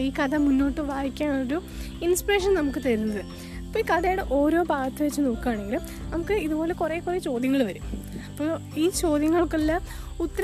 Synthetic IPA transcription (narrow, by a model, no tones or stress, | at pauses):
iːkɐðɐmunːo̞ːʈːɨʋaːjikʲːaːnooɾu | inspire̞ːʂɐnnɐmukːɨt̪ɐɾunːɐðɨ | ɐpːoikɐðɐjɽeʔo̞ːɾo̞ːbʱaːt̪ːɐʋet͡ɕːɨnoːkːuaːɳe̞ŋɡilum | nɐmukːɨiðubo̞ːle̞kureːkureːt͡ɕo̞ːd̪jɐŋːɐɭʋɐɾum | ɐpːo | iːt͡ɕo̞ːd̪jɐŋːɐɭokːelːa | ut̪ːɐɾ